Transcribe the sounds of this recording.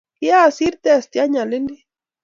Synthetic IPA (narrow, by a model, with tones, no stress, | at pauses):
i˦a˦˨si˦ɾt̪e˦˨st̪ja˦ɲa˨le˦ni˦